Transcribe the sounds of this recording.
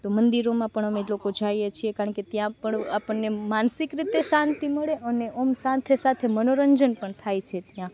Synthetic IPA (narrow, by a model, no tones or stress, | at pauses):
t̪omənd̪iɾomãpəɳəmelokod͡ʒajet͡ʃʰiekaɾəɳket̪jãpəɳapəɳːemansikɾit̪esãnt̪iməɭeʔəneʔomsãnt̪ʰesat̪ʰemənoɾəɲd͡ʒənpəɳt̪ʰajt͡ʃʰet̪jã